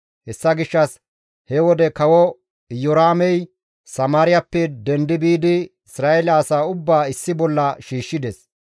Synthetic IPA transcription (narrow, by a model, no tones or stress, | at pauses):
hɛsːɐɡɪʃːɐs | hɛwɔd̪ɛkɐwɔ | jɔɾaːmɛj | sɐmaːɾɪjɐpːɛd̪ɛnd̪ɪbiːd̪ɪɪsɾaːɛlɐːsaːʊbːaːɪsːɪbɔlːɐʃiːʃːɪd̪ɛs